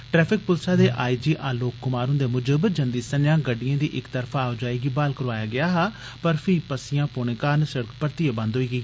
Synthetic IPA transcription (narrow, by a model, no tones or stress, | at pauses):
ʈɾɛːpʰɪk̚pʊlsaːd̪eːʔaːiːd͡ʒiːʔaːloːkːʊmaːɾʊ̃nd̪eːmʊd͡ʒəbd͡ʒə̃nd̪iːsənjãːɡəɖːijãːd̪iːʔɪkt̪əɾpʰaːod͡ʒaːiːɡiːbaːlkəɾʋaːjaːɡɪaːɦaː | pəɾpʰiːpəsɪjãːpoːɳẽːkaːnsəɽəkpəɾt̪iːeːbə̃nd̪ɦoːiːɡəiː